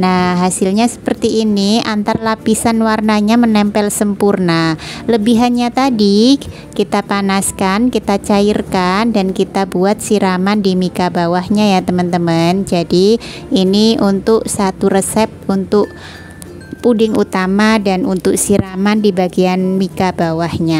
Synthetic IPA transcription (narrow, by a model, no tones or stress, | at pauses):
nahɦasɪlɲasə̥pərt̪iːniant̪arlapisanwarnaɲamənɛmpɛlsəmpurnaləbiɦanɲat̪adi | kit̪apanaskankit̪at͡ʃairkandankit̪abuat̪̚siɾamandimikabawahɲajat̪əmənt̪əmənd͡ʒadiː | niunt̪ʊk̚sat̪uɾəsɛp̚unt̪ʊk | pudɪŋut̪amadanunt̪ʊk̚siɾamandibaɡianmikabawahɲa